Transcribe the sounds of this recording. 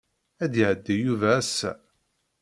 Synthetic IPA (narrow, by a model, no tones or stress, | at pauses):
æd̪jʕəd̪ːijuvæːsːæ̰